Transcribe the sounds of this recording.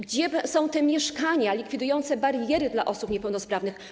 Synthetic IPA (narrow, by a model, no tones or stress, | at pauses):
ɡd͡ʑɛbsɔ̃w̃t̪ɛmʲjɛʂkaɲalʲikfʲid̪ujɔnt̪sɛbaɾjɛɾɘd̪la̰ʔɔsupɲɛpɛwnɔspɾavnɘx